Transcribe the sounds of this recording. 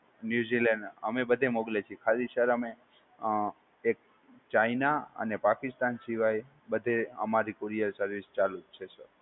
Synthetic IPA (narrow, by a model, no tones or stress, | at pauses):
njuzileɳɖə̰mebəd̪ʱemoɡlet͡ʃʰiekʰad̪isəɾəme | k̚ | t͡ʃainaə̰nepakist̪ansiʋaj | bəd̪ʱeə̰maɾikoɾijəɾsəɾʋist͡ʃalut͡ʃʰesəɾ